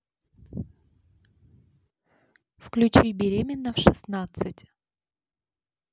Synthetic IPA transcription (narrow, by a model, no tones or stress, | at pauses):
fklʲʉt͡ɕibʲɪɾʲemʲɪnːəfʂɨsnat̪sɨtʲ